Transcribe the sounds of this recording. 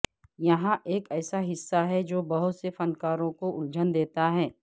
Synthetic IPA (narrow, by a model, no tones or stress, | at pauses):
jɐɦãʔeːkɛːsaɦɪsːaɦɛd͡ʒoːbɐɦʊt̪sefɐnkaːɾõkoʔʊld͡ʒənd̪eːt̪aɦɛː